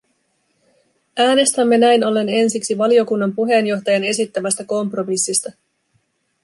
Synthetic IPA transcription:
ʔæːne̞st̪æmːe̞næjno̞lːe̞ne̞nsiksiʋɑlio̞kunːɑmpuɦe̞ːnjo̞xt̪ɑjɑne̞sit̪ːæmæst̪æko̞mpro̞misːist̪ɑ

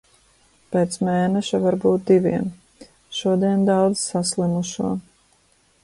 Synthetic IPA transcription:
peːt̪smeːnɛʃavaɾbuːt̪̚d̪iviɛm | ʃuɔd̪iɛnd̪ɑwd̪zsaslˠimuʃuɔ

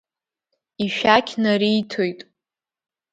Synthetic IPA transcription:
iʃᶣakʲʰnaɾijtʰo̞jtʼ

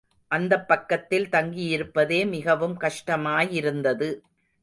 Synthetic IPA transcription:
ʔɐnd̪ɐpːɐkːɐt̪ːɪlt̪ɐŋɡijɪɾɯpːɐðeːmɪɣɐʋɯmkɐʂʈɐmaːjɪɾɯnd̪ɐðɯ

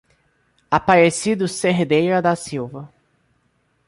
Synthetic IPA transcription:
apaɾesid̪ʊseɦed̪ejɾɐd̪ɐsiwvɐ

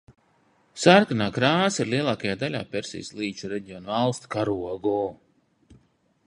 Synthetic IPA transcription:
saɾkanaːkɾaːsiɾliɛlˠaːkajaːd̪alʲa̰ːpɛɾsḭjslˠiːt͡ʃuɾɛɟiɔnvalˠst̪kaɾuaɡɔː

